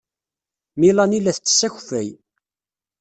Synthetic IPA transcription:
milɑnilæθt͡sːsːæçfæj

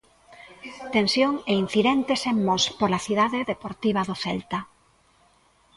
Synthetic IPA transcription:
t̪ensjoŋein̟θiðɛnt̪esemmospolaθiðaðeðepoɾt̪iβ̞ɐðoθɛlt̪a

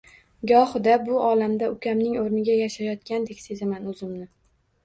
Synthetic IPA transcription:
ɡɒhd̪abʊɒlamd̪aʊkʲʰamnɪŋoɾnɪɡʲajaʃajɒt̪kʲand̪e̞kʲse̞zɪmanʊzɪmnɪ

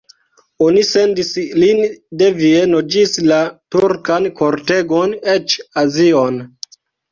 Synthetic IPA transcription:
onise̞ndislinde̞vienod͡ʒislatuɾkanko̞ɾte̞ɡone̞t͡ʃazion

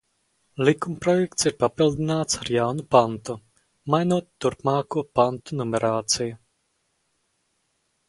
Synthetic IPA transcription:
lʲˠikumpɾɔjɛkt̪siɾpapilˠd̪inaːt̪saɾjawnupant̪u | majnuɔt̪ːuɾpmaːkuɔpant̪unumɛɾaːt̪siju

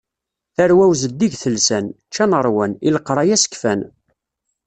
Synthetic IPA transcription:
θæɾwæwzəd̪ːiʝθəlsæn | t͡ʃːænəɾˤwæniləqːɾˤɑjæsə̥kfæn

